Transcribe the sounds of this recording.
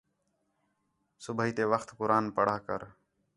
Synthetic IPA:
sʊbʱəɦiːt̪eːʋəxt̪kʊɾaːnpəɽ̤aːkə̰ɾ

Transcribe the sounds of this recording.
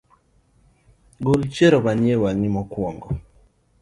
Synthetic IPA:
ɡolt͡ʃeɾɔβaɲewaɲimɔkwɔŋɡɔ

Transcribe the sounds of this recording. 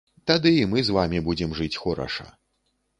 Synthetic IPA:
t̪ad̪ɨːmɨzvamʲibud͡zʲɛmʐɨt͡sʲxɔɾɐ̰ʂɐ̰

